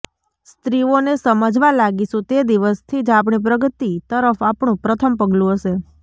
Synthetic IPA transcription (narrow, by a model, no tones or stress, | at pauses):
st̪ɾionesəməd͡ʒʋalaɡiʃũt̪ed̪iʋəst̪ʰid͡ʒapɳip̬ɾəɡət̪it̪əɾəfapɳ̃ũpɾət̪ʰəmpəɡlũɦəʃe